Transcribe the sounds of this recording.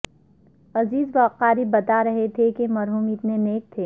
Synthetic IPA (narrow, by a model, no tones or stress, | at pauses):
ɐziːzbɐːqaːɾibɐt̪aɾɐɦet̪ʰekemɐɾɦuːmɪt̪neneːk̚t̪ʰeː